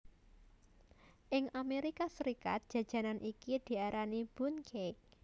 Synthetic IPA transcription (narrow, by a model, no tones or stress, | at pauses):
ʔɪŋameɾikasəɾika̰t̪̚d̥ʒ̥ä̤d̥ʒ̥a̤nanʔikid̪̥i̤aɾanib̥ṳnkʰek̚